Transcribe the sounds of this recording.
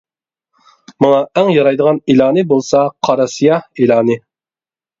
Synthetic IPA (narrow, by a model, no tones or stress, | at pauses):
mɑŋɑæŋjɑɾɑjd̪əʁɑnilˠɑːnɨbolˠsɑqʰɑɾɑsijɑhilɑːnɨ